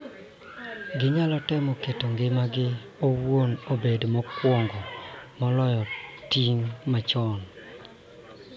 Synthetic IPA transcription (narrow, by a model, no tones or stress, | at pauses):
ɡɪɲalɔtɛmɔketoŋɡɪmaɡɪ | owwonobedmɔkwɔŋɡɔmɔlɔjɔtiŋmat͡ʃɔn